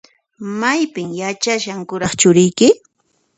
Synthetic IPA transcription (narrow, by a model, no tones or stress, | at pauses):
majpɪŋjat͡ʃaʃaŋkʊɾɑχt͡ʃʊɾɪjkɪ